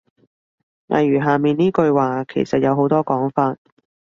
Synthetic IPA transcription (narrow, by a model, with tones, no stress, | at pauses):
ŋa̰˨˩jɥyː˨˩ɦaː˨˩miː˨nniː˥kɵ˧ɥwaː˨˧kʰe˨˩jsɐ˨t̚jɐ˨˧wɦo˨˥wt̪ɔː˥kɔː˨˥ŋfaː˧t̚